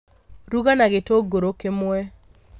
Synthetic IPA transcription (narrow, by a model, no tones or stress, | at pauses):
ɾuɣanaɣetoɡoɾokemwɛ